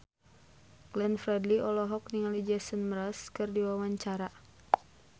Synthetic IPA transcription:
ɡ̥lɛnfrɛdliʔɔlɔɦɔk̚niŋalid͡ʒɛsənmɾaskɨrdiwawaɲt͡ʃaɾa

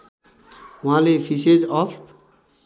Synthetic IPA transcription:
ʊɦãlepʰised͡zɔpʰ

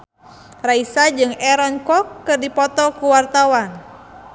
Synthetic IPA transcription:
raisad͡ʒɨŋɛɾɔnkɔkːɨrdipɔt̪ɔkuwart̪awan

